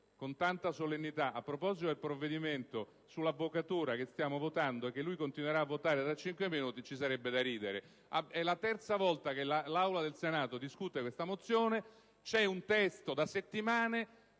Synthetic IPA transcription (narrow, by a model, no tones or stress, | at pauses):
kont̪ant̪asolenːit̪aʔapːɾopɔzit̪od̪elpɾovːed̪iment̪o | sulːavːokat̪uːɾak̟est̪jaːmovot̪and̪oɛk̟ːelːujkont̪inweɾaːvːot̪aːɾet̪ɾat͡ʃːiŋkweminuːt̪it͡ʃisaɾɛbːed̪aɾiːd̪eɾe | aɛlat̪ɛrt̪savɔlt̪akelalawlad̪elsenaːt̪od̪iskut̪ekwest̪amot̪sːjoːne | t͡ʃɛunt̪ɛst̪od̪aset̪ːimaːne